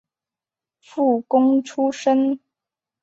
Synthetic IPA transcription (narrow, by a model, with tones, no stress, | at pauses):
fu˥˩kʊ˥ŋʈ͡ʂʰu˥ʂə˥n